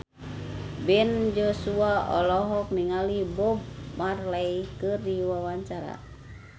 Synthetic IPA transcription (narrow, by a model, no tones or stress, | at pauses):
bɛnd͡ʒɔsuaɔlɔɦɔk̚niŋalibɔb̚marlaikɨrdiwawaɲt͡ʃaɾa̰